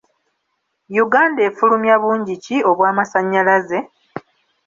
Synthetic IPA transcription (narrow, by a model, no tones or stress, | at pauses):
juɡaːnde̞ːfulumjaβuːɲɟicio̞βwaːmasaɲːalaze̞